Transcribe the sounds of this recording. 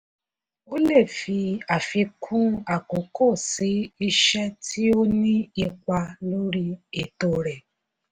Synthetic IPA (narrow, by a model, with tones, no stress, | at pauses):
o˦le˦˨fi˧a˨fi˧kʰũ˦a˨ko˨˦ko˦˨si˨˦i˧ʃɛ˦tʰi˦o˦nĩ˦i˧k͡pa˧lo˦ɾi˦e˦˨to˧˨ɾɛ˨